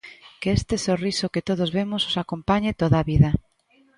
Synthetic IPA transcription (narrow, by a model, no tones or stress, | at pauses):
keest̪esorisokɪt̪oð̞ozβemʊsosakompaɲɪt̪oðaβiðɐ